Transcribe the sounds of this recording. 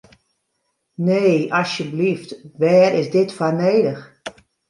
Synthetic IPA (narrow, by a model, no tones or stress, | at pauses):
neːɔsjəbliftʋɛːɾɪsdɪtfaneːdəx